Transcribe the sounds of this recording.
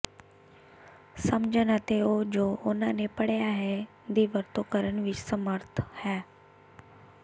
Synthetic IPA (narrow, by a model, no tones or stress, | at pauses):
səmd͡ʑʱənət̪eod͡ʑoːʔʊnanepɐɽjaːɦe | d̪iʋəɾt̪okəɾəɳ̃ʋɪt͡ʃsəməɾt̪ʰə̥hɛː